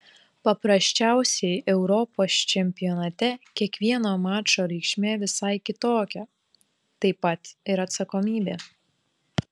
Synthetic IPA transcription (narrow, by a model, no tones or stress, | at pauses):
pɐpɾɐsʲt͡ʃʲæˑʊsʲɛɪʔɛʊɾɔpoːst͡ʃʲɛmʲpʲɪjɔnɐt̪ʲɛkʲiɛkʋʲiɛnoːmɑːt͡ʃoːɾʲɛɪkʃʲmʲeːʋʲɪsɐɪkʲɪt̪oːkʲɛ | t̪ɐɪpɐt̪ɪɾɐt̪sɐkɔmʲiːbʲeː